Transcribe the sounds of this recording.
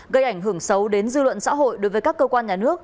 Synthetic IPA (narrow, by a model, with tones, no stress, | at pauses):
ɣə˧jʔa˧˩jŋ̟ɦɨ˧˩əŋsə˨˦wɗe˨˦nzɨ˧lwə̰˧˨nsa̰ː˧˥ɦo̰˧˨jɗo˨˦jvəː˨˦jkaː˦˥kːə˧kwaː˧nɲaː˨˩nɨ˦˥ək̚